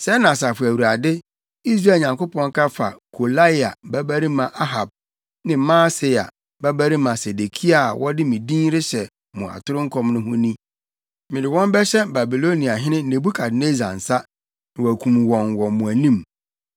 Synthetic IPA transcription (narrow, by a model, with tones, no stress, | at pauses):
sɛ˦nã˨sa˨fʊ˨æ˨wu˨ɾa˨dɪ˦ | i˦s̬ɾaː˦˨ɲã˨ŋko˦pʰɔ̃˦ŋ˦kʰa˦fa̰˨kʰo˨la˦˨a̰˨bæ˦bæ˦ɾi˦mã˨ʔa˦ɦa˨b̚ | nɪ̃˨mãː˦se˨a̰˨ | bæ˦bæ˦ɾi˦mã˨se˨de˨kʰi˦a˨wʔɔ˦dɪ˦mĩ˨dĩ˦ɾɪ˦ɕɛ˨ | mʊ̃˨a̰˨tʰʊ˦ɾɪ˦ŋ̩˦kʰɔ̃˦mnʊ̃˦hʊ̃˦nĩ˦ | mɪ̃˨dɪ˨wɔ̃˦m˦bɛ˦ɕɛ˦ba˨bi˨lo˦nĩ˨a˨ɦɪ̃˦nɪ̃˦nẽ˨bu˦kʰa˨dne˦za̰˨n̩˨sa˦ | nɪ̃˨wæ˨kʷʰũ˨m˨wɔ̃˨ŋ˨wɔ˨mʊ̃˨æ˨nĩ˦m